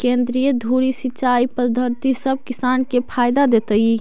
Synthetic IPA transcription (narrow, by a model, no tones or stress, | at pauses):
kend̪ɾijəd̪ʱuɾisitːt͡ʃaipəd̪ʱəɾt̪isəb̚ʱkisankepʰajd̪ad̪et̪əj